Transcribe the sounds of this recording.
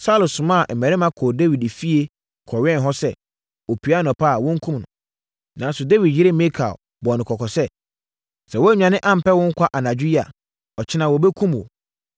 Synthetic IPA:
sa˦lʊ˨sʊ̃˨mã˦˨m̩˨mɛ˨ɾɪ˦mã˦kʰɔː˨de˦wi˨de˨fi˦e˦ | kʰɔ˨ɥɛ̃˦n˨ɦɔ˦sɛ˦ | o˨pʰi˨a˦nɔ̃˨pʰa˦˨wʊ̃˦ŋ̩˦kʰũ˦mnʊ̰̃˨ | nã˨˦n˦sʊ˨de˦wi˨dji˦ɾe˦me˦kʰa̰˨o˨ | bɔ˨nɪ̃˨kʰɔ˨kʰɔ˨sɛ˦ | sɛ˨wɔ˦ɲᶣ˨ã˨nɪ̃˦ʔã˦m̩˨pɛ˦wʊ̃˦ŋ̩˦kʷʰa˦ʔa˨na˨d͡ʑᶣi˦ɾi˦a̰˨ | ɔ˨t͡ɕʰɪ˦nã˨wɔ˨bɛ˦kʰũ˦m˨wo̰˨

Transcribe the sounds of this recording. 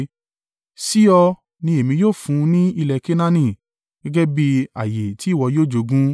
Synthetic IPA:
si˦ɔ˧ | nĩ˧e˨mĩ˧joː˦˨fũ˨˧˦nĩ˦i˧lɛ˧ke˦nã˦nĩ˦˨ | ɡ̥ɛ˦ɡɛ˦bi˧a̰˨je˨ti˨˦˨wɔ˧joː˦˨d͡ʒo˧ɡũ˦

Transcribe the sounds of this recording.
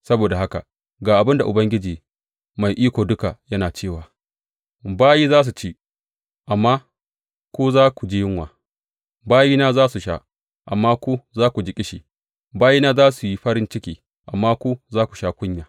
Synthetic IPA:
sɐ˦boː˨da˨ɦa˦ka̰˨ | ɡaː˨ʔa˨bɪ˦nda˨ʔʊ˨bɐ˦ŋɡʲɪ˦d͡ʒiː˨ | ma˨jʔiː˦kʷoː˨dʊ˦ka˨jɐ˦naː˨t͡ʃeː˦˨waː˨ | baː˦jiː˦zaː˦s̬u˨t͡ʃeː˦ | ʔa˨mːa˦ | kʷuː˦zaː˦kʷu˨d͡ʒi˦jɪ˦ŋwaː˨ | baː˦jiː˦naː˦zaː˦su˨ʃa̰˦ | ʔa̰˨mːaː˦kʷu˦zaː˦kʷu˨d͡ʒɪ˨˦kʲʼɪ˦ʃi˨ | baː˦jiː˦naː˦zaː˦su˨ji˦ɸɐ˦ɾɪ˦nt͡ʃɪ˦kʲiː˦ | ʔa̰˨mːaː˦kʷu˦zaː˦kʷu˨ʃaː˦kʷʊ˦ɲjaː˨

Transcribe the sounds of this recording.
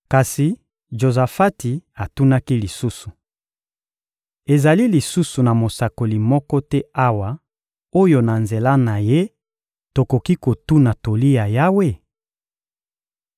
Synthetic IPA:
ka˨si˨ | ʒo˨za˨fa˦ti˨a˨tu˦na˦ki˦li˨su˦su˨ | e˨za˨li˦li˨su˦su˨na˨mo˨sa˨ko˨li˨mɔ˦kɔ˦tɛ˦a˦wa˨ | o˦jo˨na˨nze˨la˦na˨je˦ | to˨ko˨ki˦ko˨tu˦na˨to˨li˦ja˨ja˦we˦˨

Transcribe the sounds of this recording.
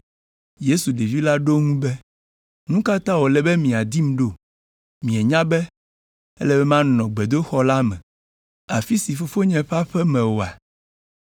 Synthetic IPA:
je˦su˨ɖe˨vi˦la˦ɖo˦ŋũ˦bɛ˦ | nũ˦ka˦t̪ã˦wo˨lɛ˨bɛ˦mĩ˨a˨d̪i˦m̃˦ɖo˦ | mĩ˨ɛ˨ɲã˦bɛ˦ | ɛ̰˦lɛ˦bɛ˦mã˦nɔ̃˨ɡ͡bɛ˨d̪o˦xɔ˦la˦mɛ̰̃˨ | a˨fi˦si˨fo˦fo˦ɲɛ̃˦ɸa˦ɸɛ˦mɛ̃˨wo˨a˨

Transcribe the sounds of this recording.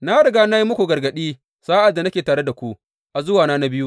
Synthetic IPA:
na˦ɽɐ˨ɡaː˦na˦ji˦mːʊ˦kʷu˨ɡɐ˨rɡɐ˨ɗiː˦ | saː˦ʔa˨dːa˨na˦kʲeː˨taː˨ɽe˦da˨kʷu˦ʔ | ʔa˨zʊ˦waː˨naː˦na˦bɪ˦ju˦ʔ

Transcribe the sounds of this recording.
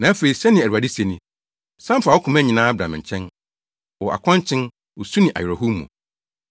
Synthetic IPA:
nã˨æ˦fe˨ɾi˨sɛ˦nɪ̃˨æ˨ɾa˨dɪ˦se˨nĩ˦ | sã˦fa˨wo˦kʰʊ̃˨mæ̃˦ɲĩ˨nã˦bɾã̰˨m̃˨ɲ̩˨t͡ɕʰɛ̃˦n | wɔ˨ʔa̰˨kʷʰɔ̃˦ɲt͡ɕʰɪ̃˦n | wo˨su˦nɪ̃˨ʔa̰˨jɛ˨ɾɔ˨ɦu˦mːṵ̃˨

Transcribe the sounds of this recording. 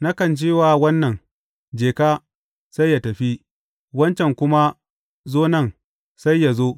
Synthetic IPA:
na˦kɐ˨nt͡ʃeː˦waː˨wɐ˦nːɐ˨ŋ | d͡ʒeː˨kaː˦ | sa˦jːa˨tɐ˨ɸi˦ | wɐ˦nt͡ʃɛ˨ŋkʷʊ˦ma˦ | zoː˦nɐ˦˨ŋ | sa˦jːa˨zoː˦

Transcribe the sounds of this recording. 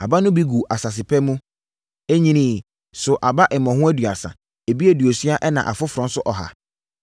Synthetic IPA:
a˨ba˦nʊ̃˦bi˦ɡu˨ʔa˨sa˨s̬ɪ˨pʰɛ˦mũ˦ | e˦ɲĩ˦nĩ˦˨ | sʊ˨ʔa˨ba˦ʔɛ˨mɔ̃˨hʊ̃˦æ˦dɥa̰˨sã̰˨ | æ˨bi˦æ˦dɥo˨sɥa˦ʔɛ˦nã̰˨ʔa̰˨fʊ˦fʊ˨ɾʊ̃˨n̩˦sʊ˦ʔɔ˨ɦa̰˨

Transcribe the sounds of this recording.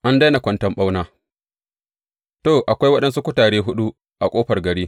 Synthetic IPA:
ʔa˦nda˦na˨kʷɐ˦ntɐ˦mɓa˦wnaː˦ | toː˦˨ʔa˨kʷa˦jwɐ˦ɗɐ˦nsu˦kʷʊ˦taː˨ɽeː˦ɦʊ˦ɗu˦ | ʔa˨kʷʼoː˦ɸɐ˨rɡɐ˨ɽiː˦

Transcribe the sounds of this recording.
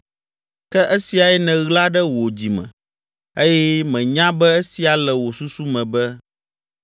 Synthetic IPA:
kɛ˦ʔe˦si˨a˨ɛ˦nɛ̃˨ɣla˦ɖɛ˦wo˨d͡ʑi˨mɛ̰̃˨ | e˦jɛ˦mɛ̃˨ɲã˦bɛ˦e˦si˨a˨lɛ˨wo˨su˦su˦mɛ̃˨bɛ˦

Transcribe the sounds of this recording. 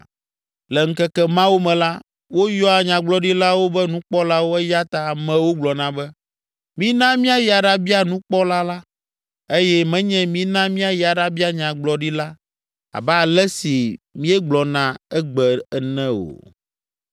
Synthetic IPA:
lɛ˨ŋ̩˦kɛ˦kɛ˦mã˦wo˦mɛ̃˨la˦ | wo˦jɔ˦a˨ɲã˨ɡ͡blɔ˦ɖi˦la˦wo˦bɛ˦nũ˦k͡pɔ˦la˦wo˦ɛ˦ja˦t̪a˦˨mɛ̃˨wo˦ɡ͡blɔ˨nã˦bɛ˦ | mĩ˦nã˦mĩ˦a˦ja˨ɖa˦bi˦a˨nũ˦k͡pɔ˦la˦la˦ | e˦jɛ˦mɛ̃˦ɲɛ̃˦mĩ˦nã˦mĩ˦a˦ja˨ɖa˦bi˦a˨ɲã˨ɡ͡blɔ˨ɖi˦la˦ | a̰˨bɛ˦a˨lɛ˦si˨mĩ˦ɛ˦ɡ͡blɔ˨nã˨ɛ˦ɡ͡bɛ˨ɛ˦˨nɛ̃˦o̰˨

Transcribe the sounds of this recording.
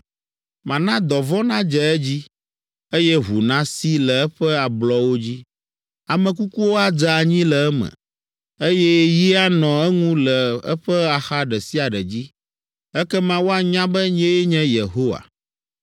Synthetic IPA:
mã˨nã˦d̪ɔ˨vɔ̃˦nã˦d͡ʒɛ˨ɛ˦d͡ʑi˦ | e˦jɛ˦ɦu˨nã˦si˦lɛ˨ɛ˦ɸɛ˦a˨blɔ˦wo˦d͡ʑi˦ | a˨mɛ̃˨k̬u˦ku˦wo˦a˨d͡ʒa˨a˨ɲĩ˦lɛ˨ɛ˦mɛ̰̃˨ | e˦jɛ˦ji˦a˦nɔ̃˨ɛ˦ŋũ˦lɛ˨ɛ̰˦ɸɛ˦a˨xa˦ɖɛ˨si˦a˨ɖɛ˨d͡ʑi˦ | ɛ˦kɛ˦mã˦wo˦a˨ɲã˦bɛ˦ɲ˦ɛ̃˦jɛ˦ɲɛ̃˦je˨ɦo˦wa̰˨

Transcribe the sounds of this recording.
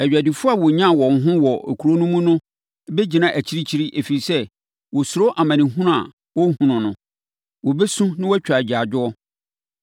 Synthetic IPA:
æ˨ɥᶣæ˨dɪ˨fʊ˦a˨wɔ˨ɲã˦˨wɔ̃˨ŋ̩˨˦ɦʊ̃˦wɔ˨kʰu˨ɾo˦nũ˦mũ˦nʊ̃˦ | be˦d͡ʑi˨nã˨ʔæ˨t͡ɕʰi˦ɾi˦t͡ɕʰi˦ɾi˦ʔe˨fi˨i˨sɛ˦ | wɔ˨sʊ˨ɾo˦ʔa˨mã˨nɪ̃˨ɦũ˦nʊ̃˦a̰˨ | wɔ˦hũ˨nʊ̃˨nʊ̃˨ | wɔ˨be˦sũ˦nɪ̃˦wɔ˦t͡ɕᶣa˨d͡ʑa˨d͡ʑᶣʊ˦ɔ˦

